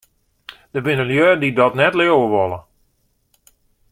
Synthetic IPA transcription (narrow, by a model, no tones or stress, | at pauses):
d̥əbɪnəljøːdidɔtnɛtlɪwwəʋɔlˠə